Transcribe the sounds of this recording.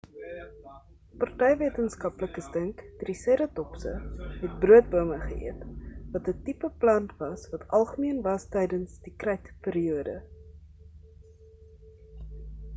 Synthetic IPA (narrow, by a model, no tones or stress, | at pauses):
pɐrtɛjviətənskɐpləkəstəŋkd̥risiɾətɔpsə̰ɦɛt̚bruət̚buəməχə̰ḭətvɐtətipəplɐntvɐsvɐtʰɐlˠχəmiənvɐstɛjdənsdikrɛjtpiːɾiuədə̰